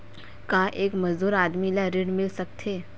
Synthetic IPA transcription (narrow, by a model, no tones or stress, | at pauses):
kaʔeːkmɐzd̪uːɾaːd̪milaɾɪɖmɪlsɐk̚t̪ʰeː